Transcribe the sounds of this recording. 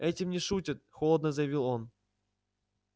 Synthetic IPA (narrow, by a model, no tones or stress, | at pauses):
ɛtʲɪmnʲɪʂutʲɪt̪̚xolˠəd̪nəzəjɪvʲilˠon